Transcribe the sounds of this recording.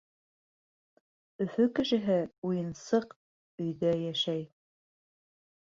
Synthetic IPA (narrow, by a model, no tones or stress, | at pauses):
ɵ̆fɵkɘ̆ʃɘ̆ɦɘujɤ̆nsɤq | ɵ̆jðæjæʃæj